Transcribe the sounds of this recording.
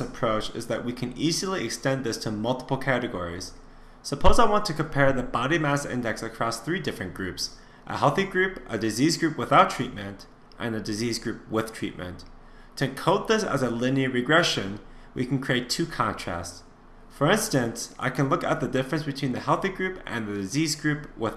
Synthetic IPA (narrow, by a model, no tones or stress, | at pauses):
ɨpʰɹ̥oʊt͡ʃɨ̰zðɨ̰ʔ̚wikʰɨ̃nizl̩ˠiɨkstɛ̃nðɪstʰəmʌlˠtə̥pl̩ˠkʰæɾɨɡɔ̰ɹḭz̥ | səpʰoʊzaɪwɑ̃ntʰɨkɨ̃m̩pʰɛɹðɨbɑɾimæsɪ̰̃ndɛksɨkʰɹ̥ɔsθɹidɪfɹɨ̃nɡ̥ɹʉps | ʔə̰hɛlˠθiɡɹʉpʔɨdɨzizɡɹʉpwəθaʊtʰɹ̥it̚mɨ̃nt | ʔɨ̃nɨdɨzizɡɹʉp̚wɪð̥tʰɹ̥ḭt̚mɨ̰̃nt | tʰɨ̃kʰoʊt̪̚ðɪsə̰zəlɪ̃niɨɹɨɡɹɛʃɨ̃nwḭkn̩kʰɹ̥ieɪtʰʉkʰɑ̃ntʰɹ̥æ̰sts | fə˞ɪ̃nstɨ̃nsʔa̰ɪkʰɨ̃nlʊkə̰t̪̚ðɨdɪfɹɨ̃nsb̥ɨtʰw̥ĩnðɨhɛlˠθiɡɹʉpɨ̰̃nðɨdɨzizɡɹʉpwɪ